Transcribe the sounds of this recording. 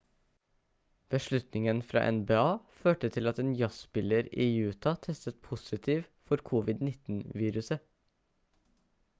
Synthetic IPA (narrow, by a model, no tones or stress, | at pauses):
b̥əʂɭʉt̪nɪŋənfɾɑ̰ːʔɛ̰nbeːɑːføːʈət̪ʰɪlɑt̪eːnjɑspɪləɾiːjʉːt̪ʰɑt̪ʰɛst̪ət̪̚pʰʊsɪt̪ʰiːʋfɔɾkʰuːʋɪd̪nɪt̪n̩ʋiːɾʉsə